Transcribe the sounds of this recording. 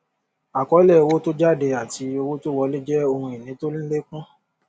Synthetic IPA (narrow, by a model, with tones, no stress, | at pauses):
a˨kɔ˨˦lɛ˦˨˧wo˦to˦d͡ʒa˦˨de˧a˨ti˧o˧wo˦to˦wɔ˧˦li˦d͡ʒɛ˦o˧hũ˧i˨nĩ˨˦to˦lĩ˦le˦kũ˦